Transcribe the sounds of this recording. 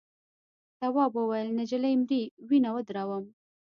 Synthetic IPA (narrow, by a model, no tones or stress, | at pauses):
t̪awɑbəwajəlnad͡ʒalajmɾiwinawəd̪ɾɑwəm